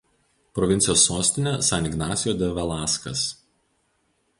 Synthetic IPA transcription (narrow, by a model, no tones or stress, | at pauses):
pɾɔʋʲɪnt̪sʲɪjoːsːoːsʲt̪ʲɪnʲɛsɑnʲɪɡnɑːsʲɪjoːd̪ʲɛʋʲɛlˠɑːskɐ̰s